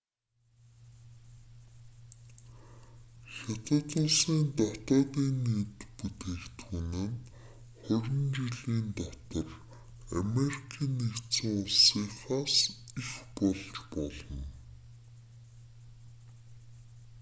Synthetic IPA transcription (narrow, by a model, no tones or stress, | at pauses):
xɔt̪ə̆t̪ʊɮsiːnt̪æt̪ɔːt̪iːnːiːt̪put̪eːkt̪ʰuːnɘ̆n | χʊɾʲɪ̆nt͡ɕiɮiːnt̪æt̪ə̆r | amerikʰiːnːikt̪t͡sɘ̆ŋʊɮsiːχaːsixpɔɮt͡ɕpɔɮɞ̆n